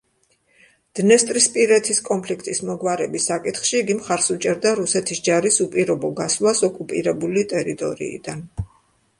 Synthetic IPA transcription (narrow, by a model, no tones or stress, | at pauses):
d̪̥nɛst̪ʼɾispʼiɾɛt̪ʰiskʼɔmpʰlikʰt̪ʼismɔɡwaɾɛbisakʼit̪χʃiːɡimχaɾsut͡ʃʼɛɾd̪aɾusɛt̪ʰisd͡ʒaɾisupʼiɾɔbɔɡaslˠasɔkʼupʼiɾɛbulit̪ʼɛɾit̪ʼɔ̰ɾḭḭd̪̥an